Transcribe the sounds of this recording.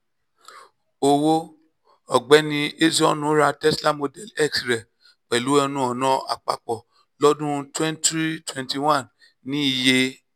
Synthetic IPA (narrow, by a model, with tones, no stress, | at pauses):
o˧wo˦ | ɔ˨ɡ͡bɛ˨˦nĩ˧e˦zɔ˦nũ˨˦ɾa˧tɛ˦sla˦mo˧dɛ˦lɛ˦˨ksɾɛ˨ | k͡pɛ˨lu˨˦ɛ˧nũ˦ɔ˨nã˧a̰˨k͡pa̰˨k͡pɔ˨ | lɔ˦dũ˦twɛ̃˦ntɾi˦twɛ̃˨nti˨wã˦˨nː | ĩ˦i˨je˧